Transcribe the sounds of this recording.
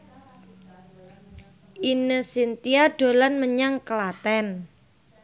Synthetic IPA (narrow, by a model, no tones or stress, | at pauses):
ʔinəsint̪iaɖ̥o̤lanməɲaŋkəlat̪ɛn